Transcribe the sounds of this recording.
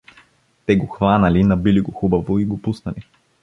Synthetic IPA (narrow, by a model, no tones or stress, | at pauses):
t̪ɛɡoxvanɐlinɐbiliɡoxubɐvoiɡopusnɐli